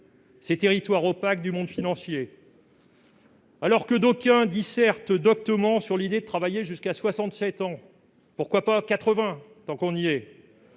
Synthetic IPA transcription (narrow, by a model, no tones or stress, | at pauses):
set̪eʁit̪waʁopak̚d̪ymɔ̃d̪finɑ̃sje | alɔʁkəd̪okʲɛ̃d̪isɛʁt̪d̪ɔk̚t̪əmɑ̃syʁlid̪ed̪ət̪χavajeʒyskaswasɑ̃t̪sɛt̪ɑ̃ | puʁkwapakat̪χəvɛ̃t̪ɑ̃kɔ̃niɛ